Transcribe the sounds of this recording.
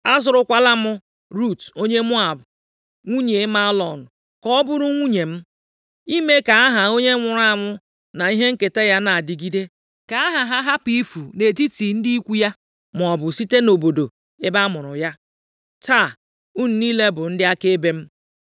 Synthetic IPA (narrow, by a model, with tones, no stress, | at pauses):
a˦zʊ˨ɾʊ˦kʷa˦la˦mʊ˦ | ɾu˦˨to˦ɲe˦mʊ˦a˨bʊ˨ | ŋʷu˦ɲe˨˦ma˦lɔ˨nʊ˨ | kɔ˦bʊ˦ɾʊ˦ŋʷu˦ɲe˨m̩˦ | i˦me˦ka˨a˦ɦa˨o˦ɲe˦ŋʷʊ˨ɾa˦˨ŋʷʊ˦ | na˨i˦ɦe˦ŋ̩˦ke˨te˦ja˦na˨dɪ˨ɡi˦de˦ | ka˨a˦ɦa˨ɦa˦ɦa˦pi˦fu˨ne˨ti˦ti˨n̩˦di˦i˦kʷu˦ja˦ | mʊ˨ɔ˨bʊ˨si˦te˦no˨bo˨do˨ | e˦ba˦mʊ˨ɾʊ˨ja˦ | ta˦˨ | ʊ˦n̩˨niː˦le˦bʊ˨n̩˦dɪ˦a˦ke˦be˦m̩˦